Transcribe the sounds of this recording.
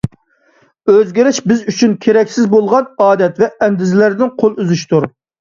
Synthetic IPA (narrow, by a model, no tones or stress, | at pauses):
øzɡʲiɾɪʃbɪzyt͡ʃʰynkʲʰeɾɛkʲsɪzbolˠʁɑnɑːd̪ɛt̪vɛʔɛnd̪ɪzɪlæɾd̪ɪnqʰolˠyzyʃt̪uɾ